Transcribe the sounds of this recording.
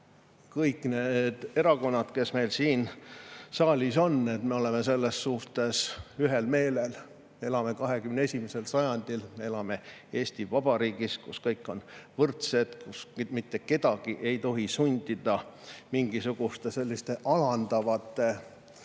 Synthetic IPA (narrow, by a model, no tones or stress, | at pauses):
kɤjkːˑned̪̥e̞ɾɑko̞nːɑd̪̥ke̞sme̞jlsiːn | sɑːlʲiso̞nːet̪meo̞le̞mese̞lːesːuht̪e̞syɦe̞lme̞ːlel | mee̞lɑme̞kɑɦe̞kymnee̞sʲimise̞lsɑjɑnd̪̥ilmee̞lɑme̞e̞ːsʲt̪ivɑb̥ɑɾiːɡ̥iskuskɤjkːˑo̞nvɤrt̪se̞d̪̥kusmit̪ːe̞ke̞d̪ɑɡ̥iʔe̞jt̪o̞ɦisunʲd̪̥id̪ɑmiŋɡisuɡ̥ust̪ese̞lʲːist̪e̞ʔɑlɑnd̪ɑvɑt̪ːˑe